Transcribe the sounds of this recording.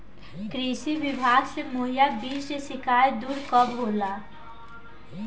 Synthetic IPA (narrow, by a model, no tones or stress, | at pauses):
kɾiːsiʋɪbʱaːɡsemoːɦijabiːt͡ʃnesɪkʰaːed̪uːɾkɔbɦoːla